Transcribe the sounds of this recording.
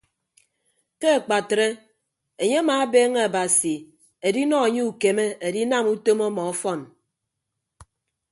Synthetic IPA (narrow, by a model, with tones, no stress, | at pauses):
ke˦e˨k͡pa˨tɾe˦ | e˨ɲe˦a˦maː˨a˦beː˦ŋe˦a˨ba˨si˨ | e˨di˦nɔ˦e˨ɲe˦u˦˨ke˨me˦e˨di˦na˦˨mu˦to˦mɔ˦mɔ˨ɔ˦fɔ˦˨n